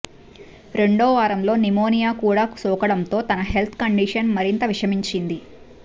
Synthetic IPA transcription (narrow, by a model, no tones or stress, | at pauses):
ɾe̞ɳɖoːʋaːɾɐmlo̞ːnimoːnijaːkuːɽaːku̥sɔːkɐɽɐnt̪o̞ːt̪ɐnɐɦe̞lt̪ʰkɐɳɖiʂɐnmɐɾint̪ɐʋiʂɐmiɲt͡ʃind̪i